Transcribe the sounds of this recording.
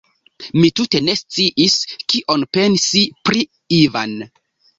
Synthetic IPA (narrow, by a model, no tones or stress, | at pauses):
mitute̞ne̞st͡siʔiskiʔonpe̞nsipɾi | iva̰n